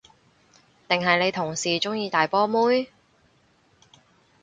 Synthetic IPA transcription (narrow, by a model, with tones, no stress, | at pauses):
t̪ɪ˨ŋɦɐ˨jne˨˧jt̪ʰʊ˨˩ŋsiː˨˩t͡sʊ˥ŋjiː˧t̪aː˨jpɔː˥muː˥j